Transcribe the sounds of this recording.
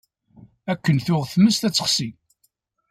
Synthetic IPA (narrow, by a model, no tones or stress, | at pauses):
ækːənθʊʁθməst̪æt͡sːə̥χsi